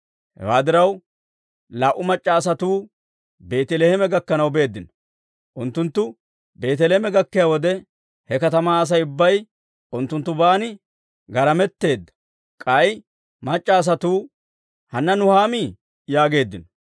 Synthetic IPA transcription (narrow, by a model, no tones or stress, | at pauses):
hɛ̰waːd̪ɪɾɐw | laːʔʊmɐt͡ʃʼːaːs̬ɐt̪uː | be̞ːt̪ɛlehɛmɛɡɐkːɐnɐwbe̞ːd̪ːɪnɔ̥ | ʔʊnt̪ːʊnt̪ːʊ | be̞ːt̪ɛlemɛɡɐkːɪjaːwɔd̪ɛ | hɛkɐt̪ɐmaːs̬ɐjʊbːɐj | ʔʊnt̪ːʊnt̪ːʊbaːnɪ | ɡɐɾɐmɛt̪ːe̞ːd̪ːɐ̥ | kʼɐj | mɐt͡ʃʼːaːs̬ɐt̪uː | hɐnːɐnʊhaːmiː | jaːɡe̞ːd̪ːɪnɔ̥